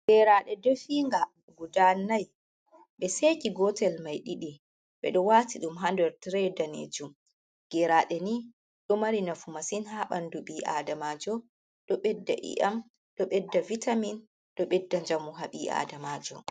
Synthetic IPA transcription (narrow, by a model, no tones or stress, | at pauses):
ɡɛɾaɗɛdofiŋɡa | ɡudanːaj | ɓɛsekiɡɔtɛlmajɗiɗi | ɓɛ̰ɗɔwatiɗumɦandɛɾtɾɛdanḛd͡ʒum | ɡ̥ɛɾaɗɛni | ɗɔmaɾinafumasinhaɓanduɓiʔa̰ːdamaːd͡ʒɔ | ɗɔɓɛdːa̰ʔḭʔam | ɗɔɓɛdːavitamin | ɗɔɓɛdːaɲd͡ʒamuɦaɓiʔa̰ːdamaːd͡ʒɔ̰